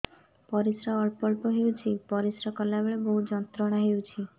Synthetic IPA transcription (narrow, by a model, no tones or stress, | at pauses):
pɔɾisɾaɔɭpɔɭpɔɦewt͡ʃʰipɔɾisɾɔkɔlabeɭeboɦud͡ʒɔnt̪ɾɔɽ̃aɦewt͡ʃʰi